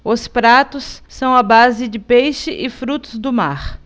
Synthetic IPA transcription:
ʊspɾat̪ʊsːɐ̃w̃ɐbazɪd͡ʒɪpejʃɪʔɪfɾut̪ʊzd̪ʊma̰ɾ

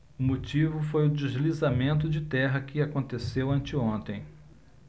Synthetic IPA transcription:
ʊmot͡ʃivʊfojʊd͡ʒeʒlizamẽnt̪̬ʊd͡ʒɪt̪ɛɦɐkɪakõnt̪esewɐ̃nt͡ʃɪõnt̪ẽj̃

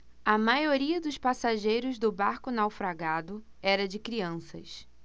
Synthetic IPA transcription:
ɐmajoɾiɐd̪ʊʃpasaʒejɾʊzd̪ʊbaɾkʊnawfɾaɡad̪ʊ | ɛɾɐd͡ʒɪkɾiɐ̃sɐ̰s

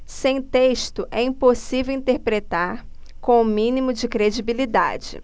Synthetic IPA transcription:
sẽj̃t̪eʃt̪ʊʔɛĩposivewĩnt̪eɾpɾet̪aɾ | kõw̃ʊ̃mĩnimʊd͡ʒɪkɾed͡ʒibilid̪a̰d͡ʒɪ̰

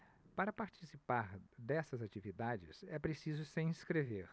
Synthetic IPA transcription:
paɾɐpaɾt͡ʃisipaɾd̪ɛsɐzat͡ʃivid̪ad͡ʒɪ̰sɛpɾesizʊsẽj̃iskɾeveɾ

